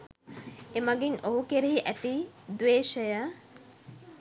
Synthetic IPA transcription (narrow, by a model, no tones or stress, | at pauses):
emɐɡinoɦukeɾeɦiʔæt̪id̪ʋeːʃəjə